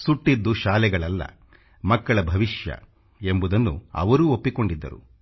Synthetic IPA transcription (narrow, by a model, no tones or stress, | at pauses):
suʈːid̪ːuʃaːlɛɡɐɭɐlːɐ̰ | mɐkːɐɭɐbʱɐʋiʃjɐ̰ | e̞mbud̪ɐnːṵɐ̰ʋɐɾuːopːiko̞ɳɖid̪ːɐ̰ɾṵ